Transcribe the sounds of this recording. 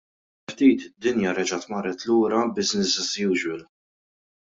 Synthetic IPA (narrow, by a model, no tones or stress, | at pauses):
ft̪iːt̪d̪ɪnjɐɾɛd͡ʒɐt̪mɐrɛt̪luːɾɐbɪsnɪsɛsjuːd͡ʒwɪl